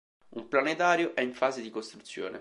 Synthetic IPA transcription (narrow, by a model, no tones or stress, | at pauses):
umplanet̪aːɾjoʔɛiɱfaːzed̪ikost̪ɾut̪sːjo̰ːnḛ